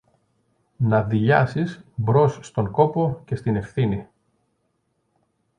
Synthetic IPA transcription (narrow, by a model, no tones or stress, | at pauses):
nɐðiʎɐsisbɾo̞sːt̪o̞ŋko̞po̞ce̞st̪ine̞fθini